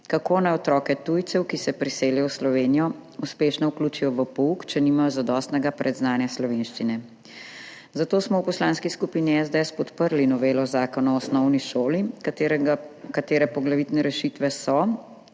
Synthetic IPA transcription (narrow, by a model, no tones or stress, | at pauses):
kakoːnajɔt̪ɾɔːkɛt̪uːjt̪sɛwkisɛpɾiseːljɔwslɔʋeːnijɔuspeːʃnɔukluːt͡ʃijɔʋəpɔukt͡ʃɛnimajɔzad̪ɔːst̪nɛɡapɾʔɛd̪znaːnjaslɔʋeːnʃt͡ʃinɛ | zat̪oːsmɔwpɔslaːnskiskupiniɛzd̪eɛspɔt̪pəɾlinɔʋeːlɔzaːkɔnaɔsnɔwniʃoːli | kat̪eːɾɛpɔɡlaʋit̪nɛɾɛʃit̪ʋɛsɔ